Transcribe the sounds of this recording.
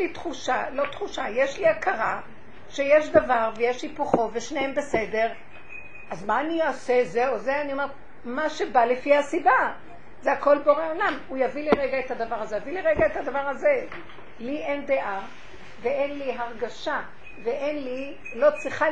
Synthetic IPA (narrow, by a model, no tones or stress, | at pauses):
it̪χuʃalo̞t̪χuʃajeʃliakʰaʁa | ʃe̞jeʃd̪avaʁvejeʃlipoχo̞veʃnehembe̞se̞deʁ | ʔazmaːnioasezeozeanio̞meʁ | maʃebalefihasiba | zeako̞lboʁeolamujaviliʁeɡaet̪had̪avaʁazejaviliʁeɡaet̪had̪avaʁaze | liʔend̪eʔa | veenliɦaʁɡaʃa | veʔenli | lo̞t͡sʁiχa